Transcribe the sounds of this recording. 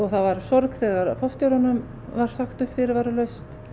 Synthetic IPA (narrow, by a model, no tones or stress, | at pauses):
ɔɣθavaɾsɔɾkθɛːɣaɾfɔft̪joɾɔnʏm | vaɾ̥saxt̪ʏhpfɪɾɪɾvaɾalœɥst̪